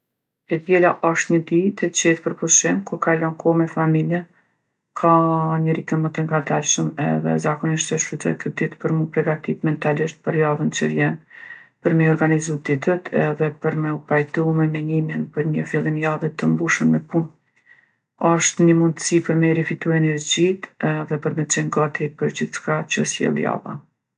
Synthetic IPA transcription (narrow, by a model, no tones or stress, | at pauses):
ɛd̪jɛlaʔɔʃt̪ɲəd̪it̪ʰɛt͡ɕɛt̪pəɾpuʃimkukalɔnkʰɔmɛfamiljɛ | kʰaɲəɾit̪əmət̪əŋɡad̪alʃəmɛ̰ðɛ̰zakɔniʃt̪əʃpɾut̪ɛ̰kʰəd̪it̪pəɾmupɾɛɡat̪it̪mɛnt̪aliʃt̪̚pəɾjaðənt͡ʃəvjɛnpəɾmɛɔɾɡanizud̪it̪ət̪ʰɛðɛpəɾmɛupajt̪umɛmɛɲimjinpəɾɲəfilˠinjaðət̪əmbuʃənmɛpun | ɔʃt̪nəmund̪əsipəɾmɛɾifit̪uɛnɛɾd͡ʑit̪ɛðɛpəɾmɛt͡sɛŋɡat̪ipəɾd͡ʑiθʃkat͡ɕəsjɛ̰lˠja̰va̰